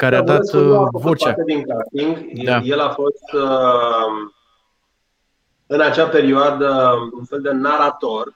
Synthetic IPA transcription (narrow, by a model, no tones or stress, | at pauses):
kaɾead̪at̪vot͡ʃaat̪ed̪iŋkɾast̪iŋɡd̪aje̞lafo̞st̪ | ɨnat͡ʃape̞ɾioad̪əunfe̞ld̪e̞naɾat̪o̞r